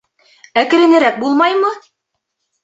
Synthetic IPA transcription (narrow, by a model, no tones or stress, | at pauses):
ækɘ̆ɾɘ̆nɘ̆ɾæk̚bulˠmɑjmɤ